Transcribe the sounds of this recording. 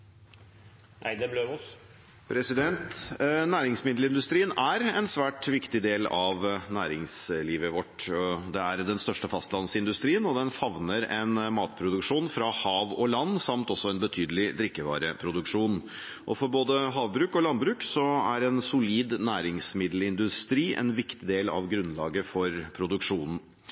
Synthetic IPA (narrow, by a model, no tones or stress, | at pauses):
ɛblø | pʰɾɛsɪd̪ɛnt̪næːɾɪŋsmɪd̪l̩ɪnd̪ʉst̪ɾiːənæɾɛnsʋæːʈʋɪkt̪ɪd̪eːlɑʋnæːɾɪŋsliːʋəʋɔʈd̪ɛæɾd̪ɛnst̪œʂʈəfɑst̪lɑnsɪnd̪ʉst̪ɾiːənɔd̪ɛnfɑʋnəɾɛnmɑːt̪pʰɾʊd̪ʉkʂuːnfɾɑhɑːʋɔlɑnːsɑmt̪ɔsːɔɛnbət̪ʰyːd̪əlɪd̪ɾɪkːəʋɑ̰ːɾəpʰɾʊd̪ʉkʂuːn | ʔɔ̰fɔɾboːd̪əɦɑːʋbɾʉːkɔlɑnbɾʉːksɔæɾɛnsʊliːd̪næːɾɪŋsmɪd̪l̩ɪnd̪ʉst̪ɾiːʔɛ̰nʋɪkt̪ɪd̪eːlɑ̰ʋɡɾʉnlɑːɡəfɔɾpʰɾʊd̪ʉkʂuːnn̩